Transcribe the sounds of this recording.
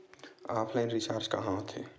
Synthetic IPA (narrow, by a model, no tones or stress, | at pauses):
aːpʰlaɪnɾisaɾt͡ʃka̰ɦãot̪ʰɦḛ